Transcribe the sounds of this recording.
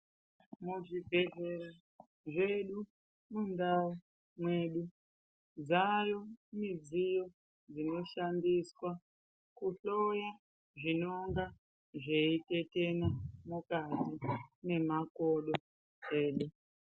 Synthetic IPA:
muʐibʱe̞ɮe̞ɾa | ʐe̞ɗu | mundau | mwe̞ːɗu | d͡zajomid͡zijo̞ | d͡zino̞ʃandiswa | kuɬo̞ja | ʐino̞ŋɡa | ʐeite̞te̞namukatine̞mako̞ɗo | e̞ːɗu

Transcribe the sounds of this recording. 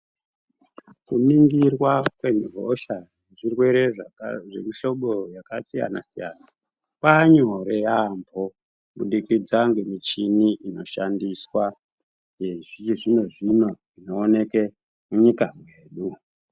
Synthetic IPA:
kuniŋɡirwakwe̞nɦoʃaʐeʐirwe̞ɾe̞ʐe̞miʃo̞ɓojakasija̰na̰sija̰na | paɲo̞ɾe̞jambʱo | ɓuɗikid͡zaŋɡe̞mit͡ʃiniʔino̞ʃandiswa | eʐit͡ʃiʐino̞ʐino̞ʐino̞ːne̞ke | muɲikamwe̞ːɗu

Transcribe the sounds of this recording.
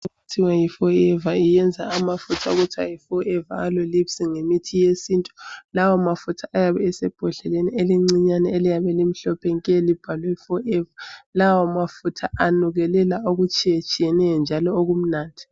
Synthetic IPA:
utʰiwajifɔɛvaijɛnd͡zʱaamafutʰauɣutʰwa̰jifɔɛva̰alolipsiŋemitʰijesintʼu̥lawɔmafutʰaajaβɛɛsɛb̥ʱɔɮɛlenieliŋ͡ǀiɲanɛelijaβɛlim̩ɬɔpʰɛŋkʼɛlib̥ʱalwɛifɔɛvalawɔmafutʰa̰ʔanuɣɛlɛlaoɣut͡ʃʼijet͡ʃʼijɛnɛjɔnd͡ʒʱalɔoɣum̩naːndʱi̥

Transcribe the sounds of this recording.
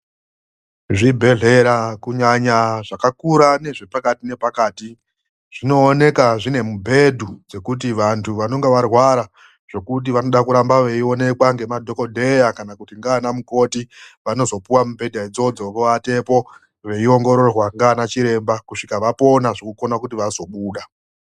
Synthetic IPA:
ʐibʱe̞ɮe̞ɾakuɲaɲaʐakakuɾane̞ʐe̞pakatine̞pakaːti | ʐ̥ino̞ːne̞kaʐine̞mubʱe̞dʱud͡ze̞kut̬iʋantʰuʋano̞ŋɡe̞ʋarwaɾa | ʐ̥o̞kut̬iʋano̞ɗakuɾambaʋe̞io̞ne̞kwaŋɡe̞madʱo̞ko̞dʱe̞jakanakutiŋɡaːnamuko̞tiʋano̞zo̞puwamube̞dʱaid͡zo̞d͡zo̞ʋoʋate̞po̞ | ʋe̞io̞ŋɡo̞ɾo̞rwaŋɡanat͡ʃiɾe̞mbakuʂikaʋapo̞naʐokuko̞nakutiʋazo̞ɓuːɗa

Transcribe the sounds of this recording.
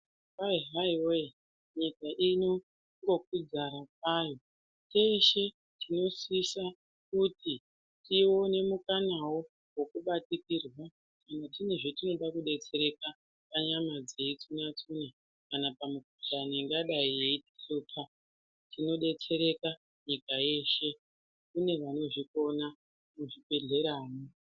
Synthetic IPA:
aiɦaiwe | ɲikaʔino | ŋɡo̞k̚wid͡zaɾap̚aːjo̞ | t͡ʃe̞ʃe̞ | tino̞sisa | kuti | tiwo̞ne̞mukanawo | wo̞kuɓatikirwa | kanatine̞ʐetino̞ɗakuɗe̞t͡se̞ɾe̞ka | paɲamad͡ze̞it͡sunat͡suna | kanapamukuɬaniŋɡaɗaijeiti̥ɬoːtʰa | tino̞ɗe̞t͡se̞ɾe̞ka | ɲikaje̞ʃe̞ | kune̞ʋano̞ʐiko̞na | muʐipe̞ɮe̞ɾaːni

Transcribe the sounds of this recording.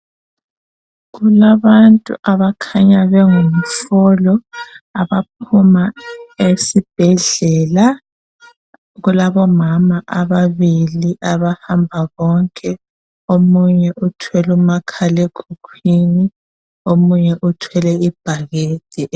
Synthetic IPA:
ɣulaβantʼṵʔaβakʰaɲaβɛŋum̩fɔlɔaβap̚ʰumaesib̥ʱɛɮɛla | ɣulaβɔmamaʔaβaβiliʔaβahambʱaɣɔŋkʼɛ | omuɲɛʔutʰwɛlumakʰaleɡ̥ʰʱukʰwini | omuɲɛʔutʰwɛlɛib̥ʱaɣeːd̥ʱɛ

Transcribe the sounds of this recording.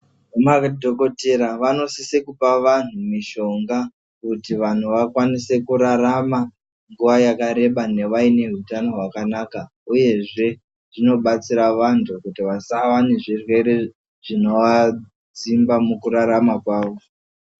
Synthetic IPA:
amakdʱoko̞te̞ɾaʋano̞sisekupaʋan̤umiʃo̞ŋɡa | kutiʋan̤uʋakwanise̞kuɾaɾama | ŋɡuʋajakaɾe̞ɓane̞ʋaine̞ɦutano̞ɦwakanaka | uje̞ʐe̞ | ʐ̥ino̞ɓat͡siɾaʋantʰukutiʋasaʋaneʐirwe̞ɾe̞ | ʐ̥ino̞ʋa | d͡zimbamukuɾaɾamakwaːʋo̞

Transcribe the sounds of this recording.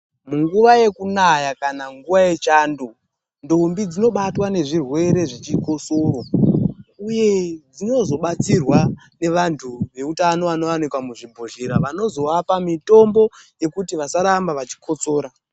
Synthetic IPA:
muŋɡuʋaje̞kunajakanaŋɡuʋaje̞t͡ʃaːndu | ndombid͡zino̞ɓatwane̞ʐirwe̞ɾe̞ʐit͡ʃiko̞soro | uje̞d͡zino̞zo̞ɓat͡sirwa | ne̞ʋantʰuʋe̞utano̞ʋano̞ʋanikwamuʐibʱoʒeɾaʋano̞zo̞ʋapamito̞mbo̞je̞kutiʋasaɾambaʋat͡ʃi̥kʰo̞t͡so̞ːɾa

